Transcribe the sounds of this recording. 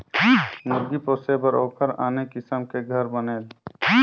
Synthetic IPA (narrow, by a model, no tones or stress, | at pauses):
mʊɾɡipoːsebəɾoːkʰəɾa̰ːnekɪsəmkeɡʱəɾbəneːl